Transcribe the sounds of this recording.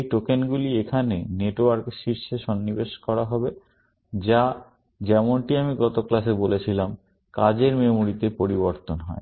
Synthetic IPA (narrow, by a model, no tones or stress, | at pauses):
ejʈokenɡuliekʰaneneʈoaɾkʃiɾʃeʃɔnːibeʃkɔɾaɦɔbe | d͡ʑa | d͡ʑɛmonʈiamiɡɔt̪oklaʃebolet͡ɕʰilam | kad͡ʑeɾmemuɾit̪epoɾiβoɾt̪onɦɔ̰e